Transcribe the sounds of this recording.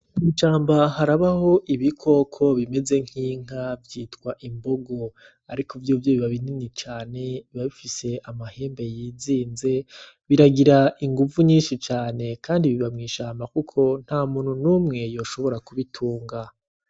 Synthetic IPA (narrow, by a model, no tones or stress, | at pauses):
mŋiːʃaːmbaɦaɾaβaho̞ʔiβikʰo̞kʰo̞βime̞ze̞ŋ̥hiːŋ̥avjiːtkwaʔimbo̞ɡo̞ | aɾikʰovjuːvjoβiβaβininit͡ʃaːne̞iβaβifise̞ʔamahe̞ːmbe̞jiːziːnze̞ | βiɾaɡiɾaʔiŋɡuvuɲiːnʃit͡ʃaːne̞kʰaːndiβiβamŋiːʃaːmbakukʰo̞n̥haːmuːn̥hunuːmŋe̞jo̞ːʃo̞βo̞ɾakuβitʰuːŋɡa